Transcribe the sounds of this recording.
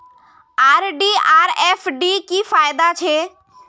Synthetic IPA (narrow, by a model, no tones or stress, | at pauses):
aːɾɖiaːɾɛːfɖikifaːjd̪at͡ʃʰeː